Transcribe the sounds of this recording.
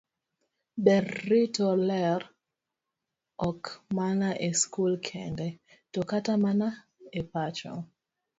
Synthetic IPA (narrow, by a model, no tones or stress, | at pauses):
bɛrːitɔlɛr | ɔkmanaʔeskulkʰɛndɛ | tokatamana | epat͡ʃɔ̰